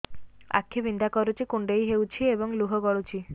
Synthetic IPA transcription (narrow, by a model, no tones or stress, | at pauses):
a̰kʰːibind̪ʱakɔɾut͡ʃikuɳɖejɦewt͡ʃʰiebɔŋluɦɔɡɔɭut͡ɕʰi